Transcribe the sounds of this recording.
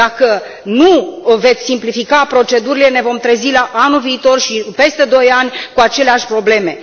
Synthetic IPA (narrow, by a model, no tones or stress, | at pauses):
akə | nuve̞t̪sʲsimplifikapɾo̞t͡ʃe̞d̪uɾile̞ne̞vo̞mt̪ɾezilaʔanulviːt̪o̞rʃipe̞st̪e̞d̪o̞janʲkuat͡ʃe̞leaʃʲpɾo̞ble̞me̞